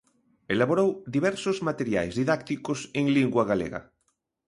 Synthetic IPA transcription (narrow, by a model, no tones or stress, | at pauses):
elaβoɾowd̪iβɛɾsozmat̪eɾja̰jzðiðakt̪ikoseŋliŋɡwaɣalḛɣa̰